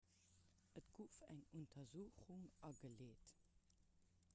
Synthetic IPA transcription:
ʔətɡ̥uːfæ̰ŋuntʰɐzuːχuŋʔɑɡəleːt

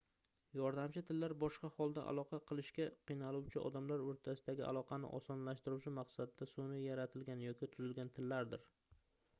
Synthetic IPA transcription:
jɒɾd̪amt͡ʃʰɪt̪ʰɪlːaɾbɒʃqɑhɒlˠd̪a̰ʔa̰lˠɒqʰɑqʰɨlˠɪʃkʲaqʰɨjnalˠuwt͡ʃʰɪɒ̰d̪amlaɾoɾt̪ʰasɪd̪aɡʲɪ̰a̰lˠɒqʰɑnɪ̰ʔɒ̰sɒnlaʃt̪ɪɾuwt͡ʃʰɪmɑqsad̪ɪd̪asonɪjaɾat̪ʰɪlɡʲanjɒkʲɪt̪ʰʊzɪlɡʲant̪ʰɪlːaɾd̪ɪɾ

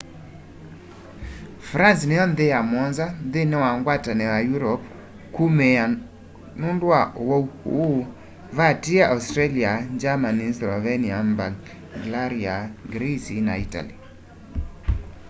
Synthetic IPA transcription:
fɾansnɛjɔnd̪ejamɔnzanðɪnewaŋɡwatanɛwajuɾɔp | kumɛa | nundwaʔowouhṵ | vatiaʔastɾɛliaɲd͡ʒamanislɔvɛniamba | ɡlaɾiaɡɾisina̰ita̰li

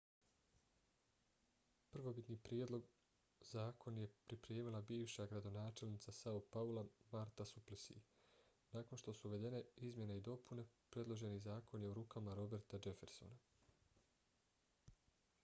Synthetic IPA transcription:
pr̩ʋo̞bit̪niːpɾjed̪lˠo̞ɡ | zaːko̞nje̞pɾipɾeːmilˠabiːʋʃaɡɾad̪o̞naːt͡ʃe̞lnit̪sasaupaulˠamaɾt̪asuplisḭ | naːko̞nʃt̪o̞suuʋe̞d̪e̞ne̞izmje̞neid̪o̞pune̞pɾe̞d̪lˠo̞ʒe̞nizaːko̞nje̞uɾuːkamaɾo̞be̞ɾt̪ad͡ʒe̞fe̞ɾso̰na

